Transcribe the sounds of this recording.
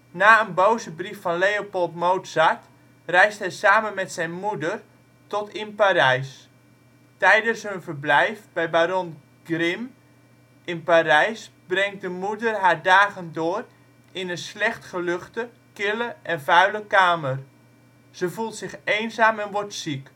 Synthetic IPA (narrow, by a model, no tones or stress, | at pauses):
naːənbowzəbrifːɔnlejopɔlˠtmowtsat | rɛjsthɛjsaːmənmɛtsɛjnmudər | tɔtɪnpaːɾɛjs | tɛjdəsɦønvərblɛjfbɛjbaɾɔn | ɡ̥rɪm | ʔɪnpaɾɛjs | brɛŋt̚dəmudərɦaːɹdaːɣəndoːər | ɪnənslɛxtχəløχtə | kɪləʔɛnvœɥləkaːmər | z̥əvulˠtsɪxejnzaːmɛnʋɔrtsik